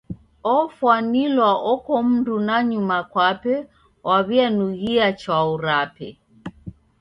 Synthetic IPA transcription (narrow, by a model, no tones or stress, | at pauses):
ɔfwanilwaʔɔkɔm̩ndunaɲumakwapɛ | wʔaβianuɣiat͡ʃauɾapɛ̰